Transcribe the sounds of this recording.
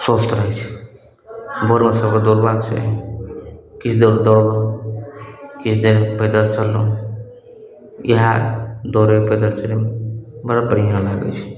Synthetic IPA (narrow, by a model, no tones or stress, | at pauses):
sost̪ɾəɦt͡ʃʰ | bʱoɾmesəbked̪uɾbad̪̚t͡ʃʰɛ̰ | kit͡ʃʰd̪eɾd̪ɔɽbo | kit͡ʃʰd̪eɾped̪əɾt͡ʃəlːo | jəɦad̪oɾeped̪əɾt͡ʃəɾembəɽapəɽ̤ijãlaɡə̰t͡ʃʰ